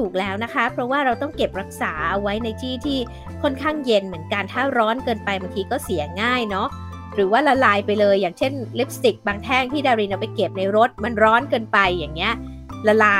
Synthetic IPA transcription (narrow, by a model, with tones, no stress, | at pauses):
t̪ʰuː˨˩k̚lɛː˦˥wna˦˥kʰa˦˥pʰɾɔ˦˥waː˥˩ɾa˧wt̪ɔ˥˩ŋke˨˩p̚ɾa˦˥k̚saː˩˦ʔwa˦˥jna˧jt̪ʰiː˥˩t̪ʰiː˥˩ | kʰɔ˥˩nkʰaː˥˩ŋje˧nmɯ˩˦ənka˧nt̪ʰaː˥˩ɾɔː˦˥nkɤː˧npa˧jbaː˧ŋkʰiː˧kɔː˥˩si˨˩˦ɐŋaː˥˩jnɔ˦˥ | ɾɯː˩˦waː˥˩la˧laː˧jpa˧jlɤː˧jːaː˨˩ŋt͡ɕʰe˥˩nle˦˥p̚st̪i˨˩k̚baː˧ŋt̪ʰɛː˥˩ŋt̪ʰiː˥˩daː˧ɾi˧nʔa˧wpa˧jke˨˩p̚na˧jɾo˦˥t̪̚ma˧nɾɔː˦˥nkɤː˧npa˧jːaː˨˩ŋni˦˥ɐʔ | la˧laː˧